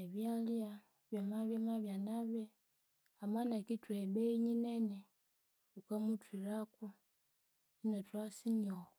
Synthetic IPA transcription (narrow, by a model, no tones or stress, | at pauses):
eβjalia | βjomaβemaβjanaβe | amanakitweβeiɲinene | ukamutwiɾaku | inatwasiɲo